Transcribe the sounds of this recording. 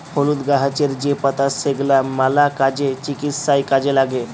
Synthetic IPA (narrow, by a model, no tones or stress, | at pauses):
holud̪ɡaɦat͡ʃeɾd͡ʒepət̪aseɡlamalakad͡ʒet͡ʃikit̪sajkad͡ʒelaɡe